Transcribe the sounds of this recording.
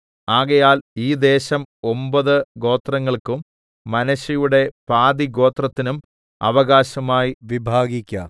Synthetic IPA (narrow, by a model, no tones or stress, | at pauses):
aːɣɐjaːliːd̪e̞ːɕɐmo̞mbɐðɨɡo̞ːt̪rɐŋːɐɭkumː | ɐnɐɕɐjuɽe̞paːd̪iɡo̞ːt̪rɐt̪ːinum | ɐ̰ʋɐɣaːɕɐmaːjiʋibʱaːɡikʲːɐ̰